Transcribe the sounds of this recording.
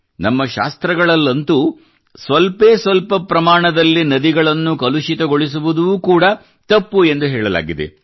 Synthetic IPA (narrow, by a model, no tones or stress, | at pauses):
nɐmːɐʃa̰ːst̪ɾɐɡɐɭɐlːɐnt̪u | sʋɐlpeːsʋɐlpɐpɾɐmaːɳɐd̪ɐlːinɐd̪iɡɐɭɐnːukɐluʃit̪ɐɡoɭis̬uʋud̪uʋuːkuːɽɐ | t̪ɐpːue̞nd̪uɦɛːɭɐla̰ːɡid̪ḛ